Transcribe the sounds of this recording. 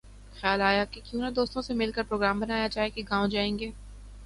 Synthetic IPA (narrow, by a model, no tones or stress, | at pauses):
xjaːlaːjakekjũːnad̪oːst̪õsemɪlkəɾpɾoːɡɾaːmbɐnaːjad͡ʒaːɦekeɡãːõd͡ʒaːẽːŋɡeː